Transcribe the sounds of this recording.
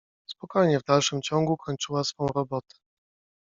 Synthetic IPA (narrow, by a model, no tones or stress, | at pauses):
spɔkɔjɲɛvd̪alʂɘmt͡ɕɔŋɡukʰɔɲt͡ʂɘwasfɔ̃w̃ɾɔbɔt̪ɛ̥